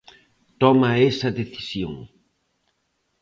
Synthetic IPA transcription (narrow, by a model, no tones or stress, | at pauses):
t̪ɔmɐɛsɐðeθi̥sjo̰ŋ